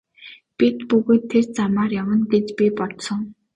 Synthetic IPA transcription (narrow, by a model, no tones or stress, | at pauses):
pʲit̪puɣɘ̆ːt̪ʰːert͡samaːrjawə̆nɡet͡ɕpʲipɔt̪sɞ̆ŋ